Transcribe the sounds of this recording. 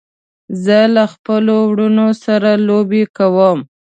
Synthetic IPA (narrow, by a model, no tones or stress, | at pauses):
zəlaxpəlowɽunosaɾalobekawəm